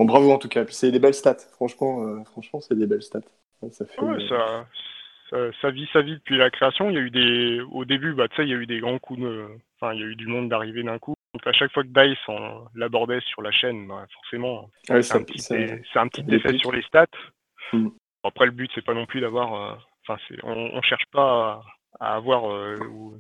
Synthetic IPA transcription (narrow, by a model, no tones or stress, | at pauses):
ɔ̃bʁavoɑ̃t̪ukʲaepɥi̥sɛd̪ebɛlst̪at̪fχɑ̃ʃmɑ̃øfχɑ̃ʃmɑ̃sɛd̪ebɛlst̪at̪ | ɛsafɛɛwɛsa | sasavisavid̪əpɥilakχeasjɔ̃iljayd̪eo̰d̪ebybat̪sɛiljayd̪eɡʁɑ̃kʰud̪øɑ̃fɛ̃iljayd̪ymɔ̃d̪ːaʁived̪ɛ̃kuɔ̃kaʃakfwakəd̪ajsɑ̃labɔʁd̪ɛsyʁlaʃɛnbɛfɔʁsemɑ̃ | ɛsɛ̃pt̪iesɛt̪ɛ̃pət̪it̪efɛsyʁlest̪at̪ | apχɛləbyt̪sɛpanɔ̃plyd̪avwaʁø̰ɑ̃fɛ̃sɛ̰ɔ̰̃ɔ̰̃ʃɛʁʃpa | a̰ːvwaʁøu